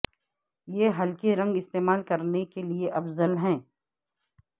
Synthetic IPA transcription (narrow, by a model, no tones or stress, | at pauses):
jeːɦɐlkeɾɐ̃ŋɡɪst̪eːmaːlkɐɾnekelieʔɐfzəlɦɛ̃ː